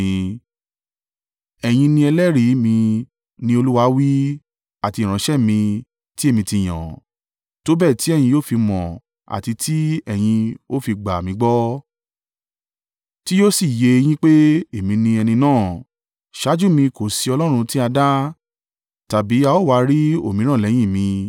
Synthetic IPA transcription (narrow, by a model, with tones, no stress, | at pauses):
ɛ˨j̃ĩ˧nĩ˧ɛ˧lɛ˦ɾi˨˦mĩ˧ | nĩ˧o˧lu˦wa˧˦wi˦ | a˨ti˧˨ɾ̃ã˨˦ʃɛ˦˨mĩ˧ | ti˦e˦˨mĩ˧ti˧˨j̃ã̰˨ | to˦bɛ˦˨ti˨˦ɛ˦˨jĩ˧joː˦˨fi˧mɔ̃˨ | a̰˨ti˧tʰi˦ɛ˨j̃ĩ˧o˦fi˧ɡ͡ba˨mĩ˧˦ɡ͡bɔ˦ | ti˦jo˦si˦˨je˧j̃ĩ˦k͡pe˦e˨mĩ˧nĩ˧ɛ˧nĩ˧nãː˦˨ | ʃa˨˦d͡ʒu˦˨mĩ˧ko˨si˧ɔ˧lɔ˦ɾ̃ũ˧ti˦a˧da˦ | ta˨bi˨˦a˧o˦˨wa˧ɾi˦o˦˨mĩ˨˦ɾ̃ã˦˨lɛ˨˦j̃ĩ˦˨mĩ˧